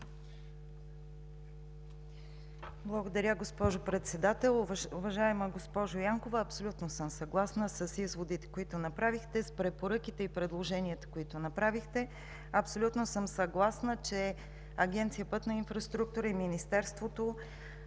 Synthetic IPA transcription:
blˠɐɡod̪ɐɾʲəɡospɔʒopɾɛt̪sɛd̪at̪ɛlˠʊvɐʒaɛməɡospɔʒojaŋkovəɐpsolʲut̪nosɤmsɐɡlˠasnəsəsizvod̪it̪ɛ̥koit̪onɐpɾavixt̪ɛspɾɛpoɾɤkʲit̪ɛipɾɛd̪lˠoʒɛnʲiət̪ə̥koit̪onɐpɾavixt̪ɛ | ɐpsolʲut̪nosɤmsɐɡlˠasnət͡ʃɛ | ɐɡʲɛnt̪sijəpɤt̪nɐinfɾɐst̪ɾuk̚t̪uɾəiminist̪ɛɾst̪vot̪o

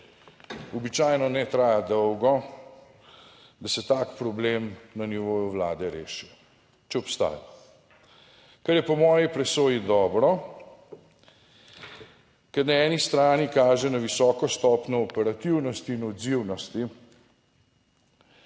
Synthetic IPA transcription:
ɔbit͡ʃaːjnɔnɛt̪ɾaːjad̪ɔwɡɔ | d̪asɛt̪akpɾɔbleːmnaniʋoːjuwlaːd̪ɛɾḛːʃiɔ | t͡ʃɛɔpst̪a̰ːja | kɛɾjɛpɔmɔːjipɾɛsoːjid̪ɔːbɾɔ | kɛɾnaɛːnist̪ɾaːnikaːʒɛnaʋisɔːkɔst̪ɔːpnʲɔːpɛɾat̪iwnɔst̪iːnɔd̪ziwnɔst̪i

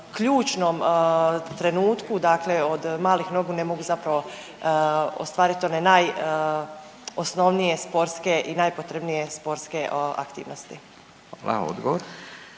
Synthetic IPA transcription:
kʎuːt͡ʃnom | t̪ɾe̞nuːt̪kud̪akle̞o̞d̪maːlixno̞ɡunemo̞ɡuzapɾaʋo̞ | o̰st̪ʋaːɾit̪o̞ne̞naj | osno̞ʋnijespo̞ɾske̞ʔinaːjpo̞t̪ɾe̞bnije̞spo̞ɾske̞a̰kt̪ḭːʋnost̪i | hʋalʔa̰o̰d̪ɡoʋoɾ

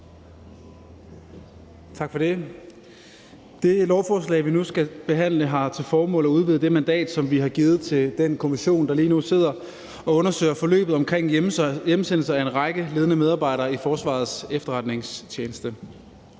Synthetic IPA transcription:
t͡sʰɑ̈ɡ̥fɒ̽d̥e̝ | d̥e̝lɒʊfɒːslɛ̰ɪʋinusɡ̥æb̥e̝ɦæn̰ləɦɑ̈t͡sʰe̝lfɒːmɔ̰̽ːləɒuð̞ˠʋiðˠd̥e̝mænd̥ɛ̰ːd̥sɒ̽mʋiɦɑ̈ɡ̥iːð̩ˠt͡sʰe̝d̥enkʰo̝miɕo̝̰ːnd̥ɑ̈liːnuse̝ð̞̰ˠɐ | ɒ̽ɔ̽nɐsø̰ɪ̰ɐfɒ̽lø̰ːb̥ð̩ˠɒ̽mkʰʁeŋ̰jemsen̰l̩sɐæe̝nʁɑ̈ɡ̥əle̝ːð̞ˠənəmeðˠɑ̈ːb̥ɑ̈ɪ̰ɾɐːifɒːsʋɑ̰̈ð̞̩ˠsefd̥ɐʁɑ̈d̥ne̝ŋst͡ɕʰjeːnəsd̥ə

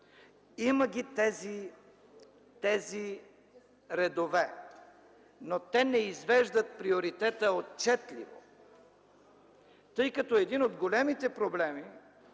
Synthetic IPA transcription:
iməɡʲit̪ɛzi | t̪ɛzi | ɾɛd̪ovɛ | not̪ɛnɛizvɛʒd̪ɐt̪̚pɾioɾit̪ɛt̪əot̪̚t͡ʃɛt̪lḭvo̰ | t̪ɤjkɐt̪ɔɛd̪inod̪ɡolɛmit̪ɛpɾoblɛmi

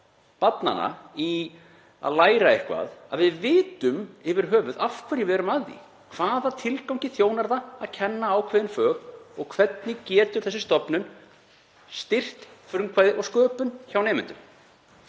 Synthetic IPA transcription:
pat̪na̰na̰i | a̰ðlaːjɾaɪhkva̰ða̰ðvɪðvɪːt̪ʏmɛvɪɾ̥ɦœːvʏðafkʰvɛɾjɪvɛɛɾʏmaðḭ | kʰv̥aːðat̪ʰɪlkawŋcɪθjoːwnaɾðaːðcʰɛnːaaːwkʰvɛːðɪnfœːɣɔɣkʰvɛt̪nɪcɛːt̪ʏ̥θɛsɪst̪ɔpnʏn | st̪ɪr̥t̪fɾʏmkʰvaːjðɪʔɔɣskœːpʏnçawnɛːmɪnt̪ʏm

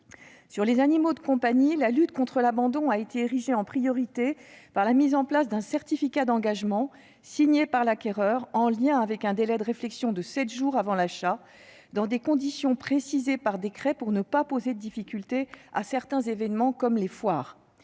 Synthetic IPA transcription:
syʁlezanimod̪əkɔ̃paɲilalyt̪kɔ̃t̪χəlabɑ̃d̪ɔ̃aet̪eːʁiʒeɑ̃pχijɔʁit̪epaʁlamizɑ̃plasd̪ɛ̃sɛʁt̪ifikad̪ɑ̃ɡaʒmɑ̃ | siɲepaʁlakʲɛʁœʁɑ̃ljɛ̃avɛkɛ̃d̪elɛd̪əʁeflɛksjɔ̃d̪əsɛt̪ʒuʁavɑ̃laʃa | d̪ɑ̃d̪ekɔ̃d̪isjɔ̃pχesizepaʁd̪ekχɛpuʁnəpapozed̪əd̪ifikʲylt̪ea̰sɛʁt̪ɛ̃zevɛnmɑ̃kɔmlefwaːʁ

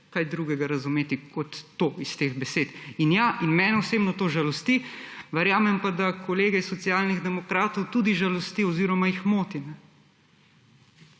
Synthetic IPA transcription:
kajd̪ɾuːɡɛɡaɾɐzumeːt̪ikɔt̪ːoːist̪eːɣbɛseːt̪injaʔinmɛːnɛɔseːbnɔt̪oːʒalɔst̪iʋɛɾjaːmɛmpad̪akʰɔleːɡɛisːɔt̪sijaːlniɣd̪ɛmɔkɾaːt̪ɔwt̪ud̪iʒalɔst̪iɔziːɾɔmajixmoːt̪inɛ

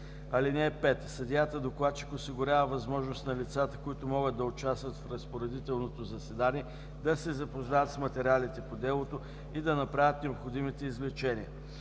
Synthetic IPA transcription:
ɐlinʲɛːpɛt̪sɐd̪ʲjat̪əd̪oklˠat̪t͡ʃi̥kosiɡʊɾʲavəvɐzmɔʒnost̪nɐlit̪sat̪ə̥koit̪ʊmɔɡəd̪̚d̪ɐot͡ʃast̪vət̪fɾɐspoɾɛd̪it̪ɛlˠnot̪ozɐsɛd̪aniɛ | d̪ɐsɛzɐpoznavət̪smɐt̪ɛɾʲialit̪ɛpod̪ɛlˠot̪o | id̪ɐnɐpɾavʲət̪nɛopxod̪imit̪ɛizvlɛt͡ʃɛniə̰

